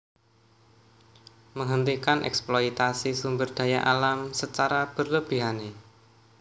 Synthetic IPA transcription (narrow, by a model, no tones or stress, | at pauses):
məŋɦənt̪ikanʔɛ̰ksploit̪asisumbərd̪̥ä̤jaʔalamsət͡ʃaɾab̥ərləb̥i̤ɦane